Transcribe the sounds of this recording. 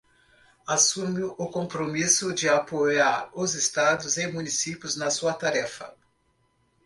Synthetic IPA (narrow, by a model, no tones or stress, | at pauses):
asũmʊʔʊkõmpɾomisʊd͡ʒɪapojaɾʊzɪst̪ad̪ʊzemũnisipjʊznɐsuɐt̪aɾɛfɐ̰